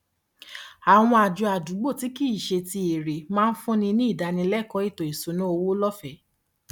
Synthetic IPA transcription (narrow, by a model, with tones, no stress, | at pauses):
a˨w̃ɔ̃˧a˨d͡ʒu˧a˨du˨˦ɡ͡bo˦˨ti˦ki˦˨ʃe˧ti˧e˨ɾe˨mãː˦n̩˦fũ˦nĩ˧nĩ˦i˦˨da˨˧nĩ˧lɛ˦˨kɔ˦i˦˨tõ˨i˨so˨˦nũ˦o˧wo˦lɔ˦fɛ˨˦